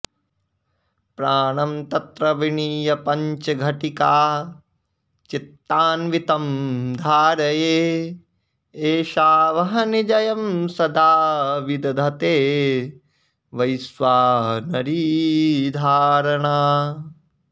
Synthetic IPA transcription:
pɾaːɳɐmt̪ɐt̪ɾɐʋiɳiːjɐpɐɲt͡ʃɐɡʱɐʈikaː | t͡ʃit̪ːaːnʋit̪ɐmd̪ʱaːɾɐjeː | eːʃaːʋɐɦɐnid͡ʒɐjɐmsɐd̪ʱaːʋid̪ɐd̪ʱɐt̪eː | ʋɐjsʋaːnɐɾiːd̪ʱaːɾɐɳaː

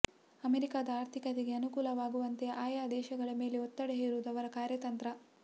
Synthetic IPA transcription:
ɐmeɾikaːd̪ɐaːɾt̪ʰikɐt̪eɡe̞ɐnukuːlɐʋaːɡuʋɐnt̪ejɐʔaːjaːd̪ɛːʃɐɡɐɭɐme̞ːleot̪ːɐɽeɦeːɾuːd̪ɐʋɐɾɐkaːɾjɐt̪ɐnt̪ɾɐ

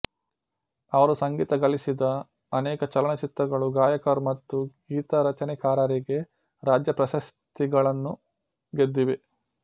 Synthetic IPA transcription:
ɐʋɐɾusɐŋɡiːt̪ɐɡɐlisid̪ɐ | ɐnɛːkɐt͡ʃɐlɐɳɐt͡ʃit̪ɾɐɡɐɭuɡaːjɐkɐɾmɐt̪ːuɡiːt̪ɐɾɐt͡ʃɐnɛkaːɾaːɾiɡe̞ | ɾaːd͡ʒjɐpɾɐʃɐst̪iɡɐɭɐnːu | ɡed̪ːiʋe

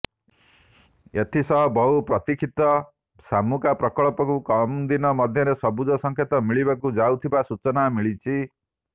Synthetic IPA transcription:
et̪ʰisɔɦɔbʱɔɦupɾɔt̪ikʰit̪ɔ | samukapɾɔkɔɭɔpɔkukɔmd̪inɔmɔd̪ʱjɔɾesɔbud͡ʒɔsɔŋkʰet̪ɔmiɭibakud͡ʒawt̪ʰibasut͡ʃɔnamiɭit͡ʃʰi

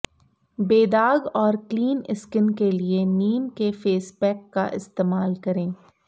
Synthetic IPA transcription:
beːd̪aːɡɔːɾkliːnɪskɪnkelieniːmkefeːspɛːkːa̰ʔɪ̰st̪eːmaːlkɐɾẽː

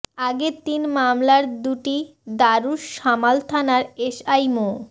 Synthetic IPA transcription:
aɡet̪inmamlaɾd̪uʈi | d̪aɾuʃːamalt̪ʰanaɾeʃajmo

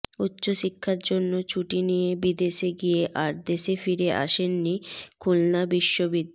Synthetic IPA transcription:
utːɕoʃikʰːaɾd͡ʑonːot͡ɕʰuʈinijebid̪eʃeɡijeʔaɾd̪eʃefiɾeʔa̰ʃenːikʰulnabiʃːobid̪ʱː

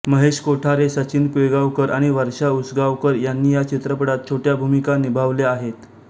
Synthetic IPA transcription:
məɦeɕkoʈʰaɾesət͡ɕinkʋeɡaʋkəɾʔaɽ̃iʋəɾʂaut͡sɡaʋkəɾjanːiːjat͡ɕit̪ɾəpəɽat̪̚t͡ɕʰoʈjabʱumikanibʱaʋleaɦet̪

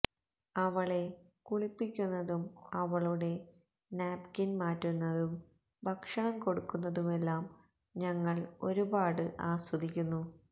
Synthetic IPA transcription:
ɐʋɐɭe̞ | kuɭipːikʲːunːɐðumɐʋɐɭuɽe̞ | naːbkinmaːtːunːɐðum | bʱɐkʂɐɳɐmko̞ɽukːunːɐðumelːaːm | ɲɐŋːɐɭo̞ɾubaːɽɨʔaːswɐd̪ʱikʲːunːu

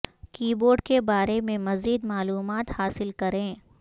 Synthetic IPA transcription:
kiːboːɾɖkebaːɾemẽmɐziːd̪maːluːmaːt̪haːsɪlkɐɾẽː

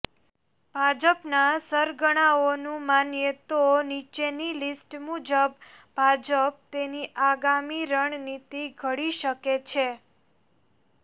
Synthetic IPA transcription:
bʱad͡ʒəpnasəɾɡəɽ̃aonũmanjet̪onit͡ʃenilisʈmud͡ʒəb | bʱad͡ʒəp̚t̪eniʔaɡamiɾəɳnit̪iɡʱəɽiʃəket͡ʃʰe

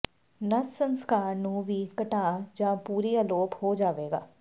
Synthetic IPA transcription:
nəssə̃nskaːɾnũːʋʱiːkəʈaːd͡ʒãːpuːɾiəloːphod͡ʒaːʋeːɡa̰ː

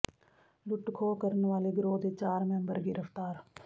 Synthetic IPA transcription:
lʊʈkʰoːkəɾnʋaːleɡɾoːd̪eːt͡ʃaːɾmɛ̃mbəɾɡɪɾəft̪aːɾ

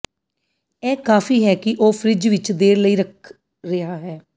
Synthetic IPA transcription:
ɛːkaːfiːɦɛːkɪʔoːpʰɾɪd͡ʒʋɪt͡ʃd̪eːɾləiːɾək̚ʰ | ɾɪɦaːɦɛː

